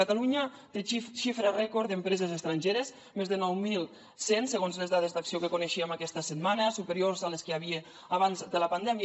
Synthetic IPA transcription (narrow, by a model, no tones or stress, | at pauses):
at̪aluɲə | t̪eʃifɾarɛkoɾd̪əmpɾɛzezəst̪ɾaɲʲʒeɾez | mezðənɔwmilˠ | sensəɣonzlezðað̞ezd̪aksiokəkoneʃiəmakɛst̪əsət̪manəsupəɾiorzaləskəaβie | aβanzd̪ələpand̪ɛmj